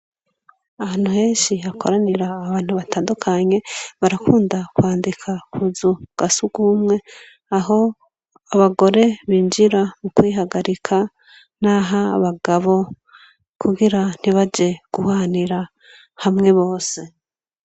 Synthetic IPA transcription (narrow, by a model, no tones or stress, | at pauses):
ahaːn̥huhe̞ːnʃihakʰoɾaniɾaːβaːn̥huβataːndukʰaɲe̞βaɾakʰuːndakwaːndikʰakʰuzuɡ̥asuɡumŋe̞ | aɦo̞ | aβaɡo̞ɾe̞βiːnd͡ʒiɾamukwiːɦaɡaɾikʰa | naɦaβaɡaβo̞ | kʰuɡiɾan̥iβad͡ʒe̞ɡ̥uhaniɾa | hamŋe̞βo̞ːse̞